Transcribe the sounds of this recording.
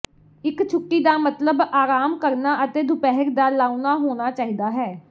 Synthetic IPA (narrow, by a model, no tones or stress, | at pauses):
ɪkt͡ʃʰʊkːiːd̪aːmət̪ləbaːɾaːmkəɾnaːʔət̪eːd̪ʊpɛɦəɾd̪aːlaːunaːɦoːñaːt͡ʃaːɦiːd̪aːɦɛː